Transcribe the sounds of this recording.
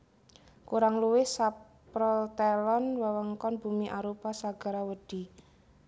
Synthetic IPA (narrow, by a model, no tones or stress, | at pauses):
kuɾaŋluwɪhsa | pɾɔlt̪ɛlɔnwəwəŋkɔnb̥umiʔaɾupasaɡ̥a̤ɾawəɖ̥i̤